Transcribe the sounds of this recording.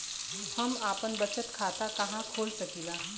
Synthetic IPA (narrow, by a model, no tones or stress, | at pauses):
hɐmaːpənbɐt͡ʃət̪kʰaːt̪akɐɦãkʰoːlsɐkiːlaː